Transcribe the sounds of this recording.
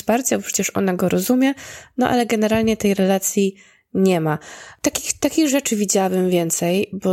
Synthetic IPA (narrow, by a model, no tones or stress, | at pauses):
spaɾt͡ɕaɔpʂɛt͡ɕɛʂʔɔ̰naɡɔɾɔzumʲjɛnɔ̰ʔa̰lɛɡɛnɛɾalɲɛt̪ɛjɾɛlat̪sʲji | ɲɛmat̪akʲixt̪akʲiɣʐɛt͡ʂɘvʲid͡ʑawabɘmvʲjɛnt̪sɛjbɔ